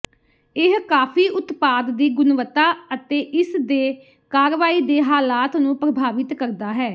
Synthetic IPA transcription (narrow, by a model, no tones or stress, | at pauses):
ɪɦkaːpʰiːʔʊt̪paːd̪ːiːɡʊnʋət̪aːət̪eːʔɪsd̪eː | kaːɾʋaːiːd̪eːɦaːlaːt̪nũːpɾəbʱaːʋɪt̪kəɾd̪aːɦɛː